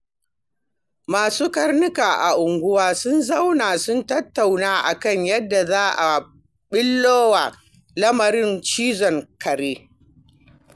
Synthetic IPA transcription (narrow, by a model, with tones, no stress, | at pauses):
maː˨suː˦kɐ˦rnʊ˦kaː˨ʔa̰˨ʔʊ˨ŋɡʷʊ˦waː˦sʊ˦nzɐ˦wnaː˨sʊ˦ntɐ˦tːa˨wnaː˦ʔa̰˨kɐ˦˨ɲjɐ˦dːa˨zaː˦ʔa˨ | ɓɪ˦lːoː˦wa˨ | lɐ˦mɐ˨ɾɪ˦nt͡ʃiː˦zɔ˨ŋkɐ˨ɾeː˦